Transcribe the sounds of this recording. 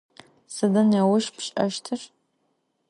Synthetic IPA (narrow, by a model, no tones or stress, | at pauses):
sɨdanawʊʃpʰʃʼa̰ʃtʰɨr